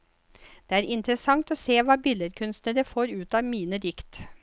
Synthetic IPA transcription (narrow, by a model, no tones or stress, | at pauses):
d̪̥eːæːɾʔɪnt̪ɾəsɑŋt̪oːseːʋɑːbɪləɾkʰʉnst̪nəɾəfoːɾʉːt̪ɑːʋmiːnəd̪ɪkt̪